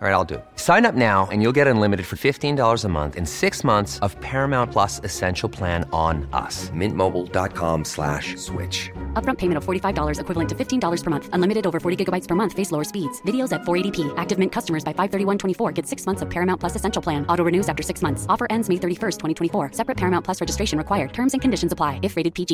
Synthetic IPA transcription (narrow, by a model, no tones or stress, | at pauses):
ɹaɪɾaɪlˠdɨ̰sãɪ̃nʌp̚naʊɨ̰̃njulˠɡɛɾə̃nlɪ̃mɨɾɨd̥fə˞fɪftĩndɔlˠə˞zəmʌ̰̃nθɨ̰̃nsɪksmʌ̃nθsʌv̥pʰɛɹɨmãʊ̃npʰl̥ʌsɨsɛ̃nʃl̩ˠpʰl̥æ̃ñnʌ̰smɪ̃nmoʊbl̩ˠdɑ̰t̚kʰɑ̰̃mslæ̰ʃswɪ̰t͡ʃʌp̚ɹʌ̃mpʰeɪmɨ̃ñtʌv̥fɔɹɾifaɪvdɔlˠə˞zɨkʰwɪvl̩ˠə̃ntʰɨfɪftʰĩndɔlˠə˞z̥pʰə˞mʌ̃nθʔə̃nlɪ̃mɨɾɨɾoʊvə˞fɔɹɾiɡɪɡəbaɪtspʰə˞mʌ̃nθfeɪsloʊə˞spidz̥vɪɾioʊzɨtfɔɹeɪɾipʰiʔæk̚tɨvmɪ̃nkʰʌstəmə˞zbaɪfaɪv̥θɜ˞ɾiwʌ̃ntʰw̥ɛ̃ifɔɹɡɛd̥sɪksmʌ̃nθsʌv̥pʰɛɹɨmãʊ̃npʰl̥ʌsɨsɛ̃nʃl̩ˠpʰl̥æ̃nɔɾoʊɹɨnʉzæftə˞sɪksmʌ̃nθsɔfə˞ʔɛ̃ndzmeɪθɜ˞ɾifɜ˞stʰwɛ̃ɾ̃itʰwɛ̃ifɔɹsɛpɹɨt̚pʰɛɹmãʊ̃npʰl̥ʌsɹɛd͡ʒɨstɹeɪʃɨ̃n̩ɹɨkʰwaɪə˞d̚tʰɜ̃˞mzɨ̃nkʰɨ̃ndɪʃn̩zəpʰl̥aɪɨfɹeɪɾɨd̚pʰid͡ʒi